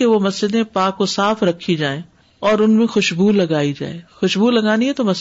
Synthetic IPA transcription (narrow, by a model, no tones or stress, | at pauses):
eʋomɐsd͡ʒɪd̪ẽpaːkːosaːfɾɐkʰid͡ʒaːẽ | ɔːɾʊnmẽxʊʃbuːlːɐɡaːid͡ʒa̰ːeːxʊʃbuːlɐɡaːniɦɛt̪omɐs